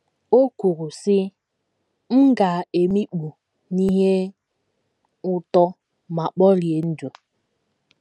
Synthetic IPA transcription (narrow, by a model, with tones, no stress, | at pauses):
o˦ku˨ɾu˨sɪ˦ | m̩˦ɡa˨e˨mi˦k͡pu˨ | ni˦ɦe˦ | ʊ˨tɔ˦ | ma˨k͡pɔ˦ɾi˨e˨n̩˦d͡ʒu˨